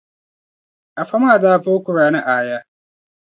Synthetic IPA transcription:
ʔa˨fa˦maː˦˨daː˦˨foː˦kʷʊ˨ɾaː˦˨na˦ʔaː˦˨jaː˦

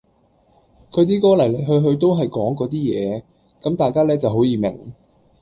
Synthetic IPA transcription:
kʰɵ˨˧t̪iː˥kɔː˨˥lɐ˨˩jle˨˩jɦɵ˧ɥɦɵ˧ɥt̪o˥wɦɐ˨jkɔː˨˥ŋkɔː˨˥t̪̬iː˥jɛː˨˧ | kɐ˨˥mt̪aː˨jkaː˥lɛː˥t͡sɐ˨wɦo˨˥wjiː˨˧mɪ̰˨˩ŋ

